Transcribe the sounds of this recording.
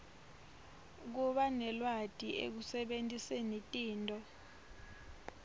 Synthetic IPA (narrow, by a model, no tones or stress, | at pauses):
k̬uɓanɛlwad̥ʼʱiʔḛk̬usɛɓentʼisenitʼiːntʼɔ